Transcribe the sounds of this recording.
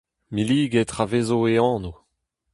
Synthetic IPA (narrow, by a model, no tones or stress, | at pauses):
miliːɡet̪ʁaveːzoeɑ̃ːno